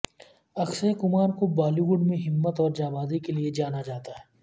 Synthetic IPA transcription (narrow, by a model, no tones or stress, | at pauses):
ɐksəekʊmaːɾkobaːliɡʊɖmẽɦɪmːət̪ɔːɾd͡ʒaːbaːd̪ikelied͡ʒaːnad͡ʒaːt̪aɦɛː